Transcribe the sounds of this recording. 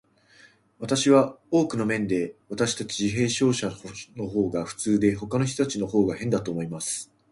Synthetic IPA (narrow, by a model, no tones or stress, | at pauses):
βat̪aɕiβao̞ːkɯ̟no̞mẽ̞nd̪e̞βat̪aɕi̥t̪at͡ɕiʑiɦe̞ːɕo̞ːɕano̞ɦo̞ːɡaɸɯ̟̥t͡sɨːd̪e̞ɦo̞kano̞ç̬ʲt̪ot̪at͡ɕino̞ho̞ːɡahẽ̞nd̪at̪o̞ːmo̞imasɨ̥